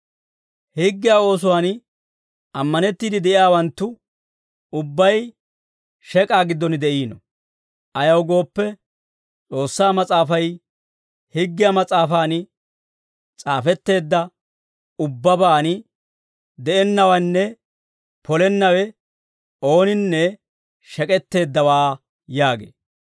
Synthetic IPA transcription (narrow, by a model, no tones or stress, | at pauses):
hɪɡːɪjao̞ːs̬ʊwaːn | ɐmːɐnɛt̪ːiːd̪ɪd̪ɛʔɪjaːwɐnt̪ːʊ | ʊbːɐj | ʃɛkʼaːɡɪd̪ːɔnɪd̪ɛʔiːnɔ | ʔɐjɐwɡo̞ːpːɛ | t͡sʼo̞ːsːaːmɐt͡sʼaːfɐj | hɪɡːɪjamɐt͡sʼaːfaːnɪ | t͡sʼaːfɛt̪ːe̞ːd̪ːɐ | ʊbːɐbaːnɪ | d̪ɛʔɛnːɐwɐnːɛ | pʰɔlɛnːɐwɛ | o̞ːnɪnːɛ | ʃɛkʼɛt̪ːe̞ːd̪ːɐwaː | jaːɡḛː